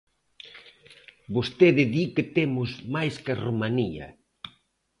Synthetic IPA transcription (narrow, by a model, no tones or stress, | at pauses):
bost̪eðɪðikɪt̪emʊzmajskɐromaniɐ̰